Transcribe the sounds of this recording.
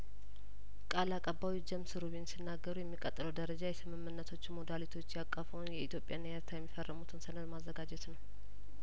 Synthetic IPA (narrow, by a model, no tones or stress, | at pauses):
kʼalakʼəbawid͡ʒəmsɨɾuβinsinːaɡːəɾujɛmːikʼət̪ʼːləwd̪əɾəd͡ʒajɛsɨmɨmːɨnːət̪ʰo̞t͡ʃːmod̪alit̪ʰo̞t͡ʃːjakʼːəfəwnjɛit̪jo̞pʼjanːəjɛɾt̪ʰajɛmːifərːʔəmut̪ʰɨnsənəd̪mazːəɡad͡ʒɛt̪nəw